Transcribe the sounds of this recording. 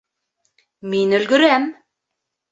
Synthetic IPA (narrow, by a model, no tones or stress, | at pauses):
minɵ̆lɡɵ̆ɾæm